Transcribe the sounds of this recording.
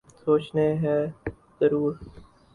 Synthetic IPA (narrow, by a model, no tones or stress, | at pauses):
soːt͡ʃneɦɛ̃ | zəɾuːɾ